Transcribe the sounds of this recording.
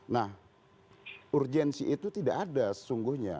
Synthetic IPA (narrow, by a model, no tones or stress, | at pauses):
nah | ʔurd͡ʒɛnsiʔit̪ut̪idaʔadasə̥suŋɡʊhɲa̰